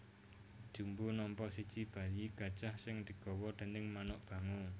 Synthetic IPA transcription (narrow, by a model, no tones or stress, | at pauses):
d̥ʒ̥umbunɔmpɔʔsid̥ʒ̥ib̥ä̤jiɡ̥a̤d̥ʒ̥ahsɪŋd̪̥i̤ɡ̥ɔwɔd̪̥e̤nɪŋmanʊʔb̥ä̤ŋu